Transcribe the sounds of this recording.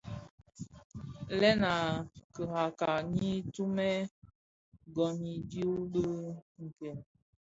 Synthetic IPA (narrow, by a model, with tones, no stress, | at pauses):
lɛ˦na˨kə˨ha˨ka˨ɲi˦tu˦mɛ˦ | ɡɔ˨ni˨dju˦bə˦ŋ̩˨kɛ˨l